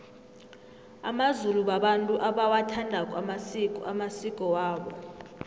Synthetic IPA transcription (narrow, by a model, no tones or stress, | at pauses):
a̰mazuluɓaɓantʼuʔaɓawatʰandʱakʼwamasikʼɔa̰masikʼɔwaːɓɔ